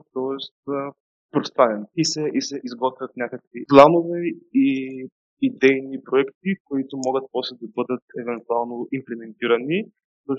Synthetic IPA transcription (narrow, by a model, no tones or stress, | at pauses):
t̪ɔɛst̪ | pɾost̪vanɛnisɛʔisɛʔizɡɔt̪vʲɐt̪nʲakəkviplˠanovɛi | id̪ɛjnipɾoɛkt̪̚ikoit̪omɔɡət̪̚pɔslɛd̪ɐbɤd̪ət̪ɛvɛnt̪ualˠnoʔimplɛmɛnt̪iɾɐni | so